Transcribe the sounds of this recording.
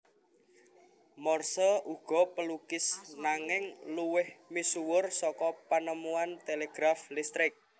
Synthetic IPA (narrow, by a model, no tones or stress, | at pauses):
mɔrsɔʔuɡ̥ɔ̤pəlukɪsnaŋɪŋluwɪhmisuwʊrsɔkɔpanəmuant̪eleɡ̥ɾaflist̪ɾɪk̚